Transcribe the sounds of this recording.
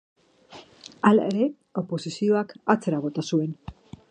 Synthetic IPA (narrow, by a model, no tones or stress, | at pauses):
ala̰eɾe̞ | o̞po̞sisio̞akat͡se̞ɾaβ̞o̞t̪asue̞n